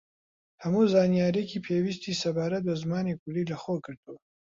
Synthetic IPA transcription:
hɐmuːzaːnijaːɾekʰiːpʰewis̬t̪ʰiːsɐbaːɾɐt̪̚bɐzmaːnikʰʊliːlɐxokɨɾd̪uw

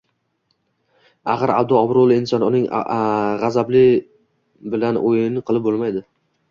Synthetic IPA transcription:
aχɨɾa̰b̚d̪ʊɒbɾolˠɪɪnsɒnʊnɪŋʁazablɪ | bɪlanʔojɪɪnɪqʰɨlˠɪp̚bolˠmajd̪ɪ

